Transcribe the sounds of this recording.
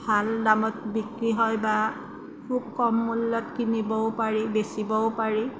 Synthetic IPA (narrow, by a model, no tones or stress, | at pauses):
bʱaldamɔtbikɹiɦɔjba | kʰub̚kɔmːulːɔtkinibɔʊpaɹibesibɔwpaɹi